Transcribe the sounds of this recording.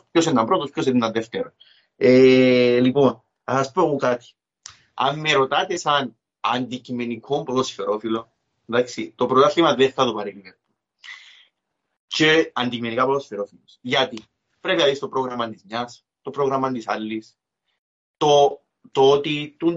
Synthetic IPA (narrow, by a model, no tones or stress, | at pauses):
pçosend̪ɐmpɾot̪ospços̬end̪ːɐnðeft̪eɾos | elipo̞n | ɐsɐspoɣokat̪i̥ | ɐ̰mːeɾo̞t̪ɐt̪esɐn | ɐnd̪icimenikʰompoðosifeɾo̞filo | nd̪aksit̪o̞pɾot̪ɐθlimɐðeft̪ɐɐt̪upɐɾelimenu | t͡ʃeɐnd̪icimenikapoosifeɾo̞filosʝɐt̪i | pɾe̞pinɐðist̪opɾo̞ɣɾɐmɐnt̪izɲɐs | t̪opɾoɣɾɐmɐnd̪isalːis | t̪o | t̪ot̪it̪un